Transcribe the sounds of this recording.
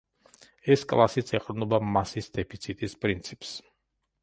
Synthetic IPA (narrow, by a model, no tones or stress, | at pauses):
ɛskʼlˠasit̪sʰɛqʼɾnɔbamasisd̪ɛpʰit̪sʰit̪ʼispʼɾint̪sʰips